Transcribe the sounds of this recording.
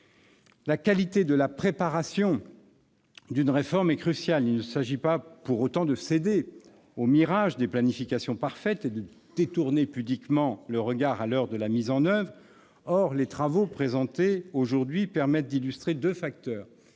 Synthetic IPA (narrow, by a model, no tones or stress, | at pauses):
lakalit̪ed̪əlapχepaʁasjɔ̃ | d̪ynʁefɔʁmɛkχysjalilnəsaʒipapuʁot̪ɑ̃d̪əsed̪e | omiʁaʒd̪eplanifikasjɔ̃paʁfɛt̪ed̪ə | d̪̥et̪uʁnepyblikmɑ̃ləʁəɡaʁalœʁd̪əlamizɑ̃nœvʁ | ɔʁlet̪χavopχezɑ̃t̪eoʒuʁd̪ɥipɛʁmɛt̪̚d̪ilyst̪χed̪øfak̚t̪œːʁ